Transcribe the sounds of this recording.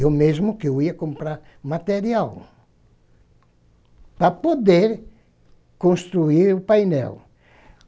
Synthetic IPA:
omezmʊkewiɐkõmpɾaɾ | mat̪eɾiaw | pɾɐpod̪eɾ | kõnst̪ɾuiɾʊpajnɛ̰w

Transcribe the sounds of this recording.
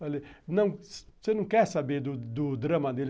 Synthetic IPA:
alinɐ̃w̃ssenɐ̃w̃kɛɾsabeɾd̪ʊd̪ʊd̪ɾɐ̃mɐd̪el

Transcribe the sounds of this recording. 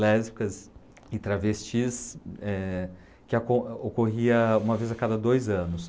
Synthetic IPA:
lɛzbikɐz | ɪt̪ɾavest͡ʃisɛ | kɪakõokoɦiɐũmɐvejzakad̪ɐd̪ojzɐ̃nʊs

